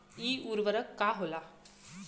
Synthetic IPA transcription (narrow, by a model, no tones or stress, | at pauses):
iːuɾʋəɾəkːaɦola